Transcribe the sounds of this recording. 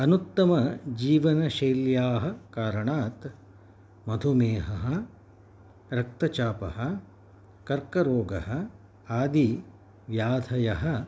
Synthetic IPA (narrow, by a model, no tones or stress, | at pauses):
ɐnut̪ːɐmɐd͡ʒiːʋɐnɐʃeːljaːɦɐ̆kaːɾɐɳaːt̪ | mɐd̪ʱumeːɦɐɦɐ̆ | ɾɐk̚t̪ɐt͡ʃaːpɐ̰ɦɐ̆ | kɐɾkɐɾoːɡɐ̰ɦɐ̆ | aːd̪i | ʋjaːd̪ʱɐjɐɦɐ̆